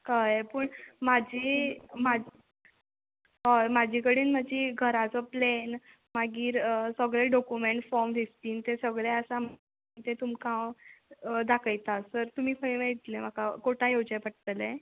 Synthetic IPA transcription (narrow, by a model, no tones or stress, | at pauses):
kajpəːɳmad͡ʑʱima | ɦomad͡ʑʱikəɽiːnməd͡ʑiɡʱəɾat͡sɔplen | maɡiːɾəsəɡɭeɖɔkumeɳʈfɔɾmd̪ʱist̪iːnt̪esəɡɭeəsam̤ | it̪et̪umkãwəd̪akəjt̪asəɾt̪um̤iːkʰəjʋet̪lem̤akakoʈãjod͡ʑajpəʈ̚t̪əle